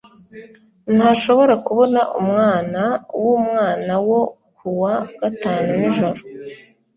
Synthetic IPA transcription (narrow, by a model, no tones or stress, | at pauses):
n̥haːʃo̞βo̞ɾakuβo̞naʔumŋaːnawumŋaːnawo̞ | kʰuwaɡ̥ataːnuniʒo̞ɾo